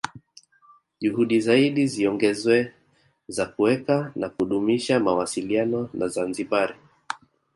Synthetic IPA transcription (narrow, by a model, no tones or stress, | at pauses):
ʄuhuɗizaiɗiziɔŋɡɛzwɛ | zakuwɛkanakuɗumiʃamawasilianɔnazanziɓaɾi